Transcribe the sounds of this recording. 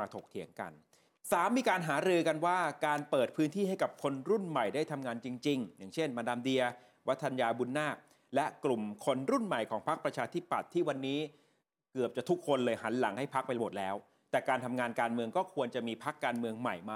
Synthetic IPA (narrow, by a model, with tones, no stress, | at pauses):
aː˧t̪ʰo˨˩k̚t̪ʰi˩˦əŋka̰˧n | saː˩˦mːiː˧kaː˧nɦaː˩˦ɾɯː˧ka˧nwaː˥˩kaː˧npɤː˨˩t̪̚pʰɯː˦˥nt̪ʰiː˥˩ha˥˩jka˨˩p̚kʰo˧nɾu˥˩nma˨˩jda˥˩jt̪ʰa˧mŋaː˧nt͡ɕi˧ŋt͡ɕi˧ŋja˨˩ŋt͡ɕʰe˥˩nmaː˧daː˧mdi˧ɐ | wa˦˥t̪ʰːa˧njaː˧bu˧nːaː˥˩k̚ | lɛ˦˥klu˨˩mkʰo˧nɾu˥˩nma˨˩jkʰɔː˩˦ŋpʰa˦˥k̚pɾa˧t͡ɕʰaː˧t̪ʰi˦˥˩pːa˨˩t̪ʰːiː˥˩wa˧nːiː˦˥ | kɯ˨˩əp̚t͡ɕa˨˩t̪ʰu˦˥kʰːo˧nlɤː˧jɦa˩˦nla˩˦ŋha˥˩jpʰa˦˥k̚pa˧jla˧bo˨˩t̪̚lɛː˦˥w | t̪ɛː˨˩kaː˧nt̪ʰa˧mŋaː˧nkaː˧nmɯ˧əŋkɔː˥˩kʰu˧ənt͡ɕa˨˩miː˧pʰa˦˥kːaː˧nmɯ˧əŋma˨˩jmaː˧